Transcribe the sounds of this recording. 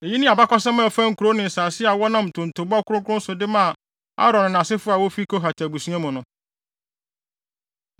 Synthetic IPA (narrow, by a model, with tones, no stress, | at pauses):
e˨ji˦nɪ̃˦a˨ba˦kɔ˦sɛ̃˦mã˦˨fã˦ŋ̩˨ku˨ɾo˦nɪ̃˨n̩˨saː˨sɪ˦a˨wɔ˦nã˦m̩˨tʰʊ̃˨n̩˨tʰo˨bʊ˦a˦kʊ˦ʊ̃˦kʰʊ̃˦n˦sʊ˨dɪ˦mã˦˨ | a̰˦ɾɔ̃˨ñ˨ñ˨sɪ˦fʊ˦a˨wo˦fi˦kʰo˦ɦa˨tʰa˨bu˨sũ˦ã˦mʊ̃˨nʊ̃˨˦